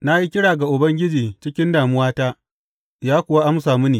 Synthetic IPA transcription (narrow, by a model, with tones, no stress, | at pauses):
na˦ji˦kʲɪ˦ɽaː˨ɡa˨ʔʊ˨bɐ˦ŋɡʲɪ˦d͡ʒiː˨t͡ʃɪ˦kʲɪ˦ndaː˨mʊ˦waː˦taː˦ | jaː˦kʷʊ˨wa˦ʔa˦msaː˨mu˦niː˨